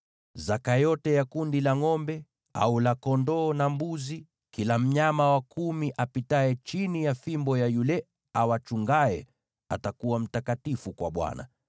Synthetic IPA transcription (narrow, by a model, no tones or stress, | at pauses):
zakajɔtɛjakundilaŋɔmbɛ | a̰ulakɔndɔːnambuzi | kilam̩ɲamawakumiʔapitaɛt͡ʃinijafimbɔjajulɛ | awat͡ʃuŋɡaɛ | a̰takuwam̩takatifukwa̰ɓwa̰na̰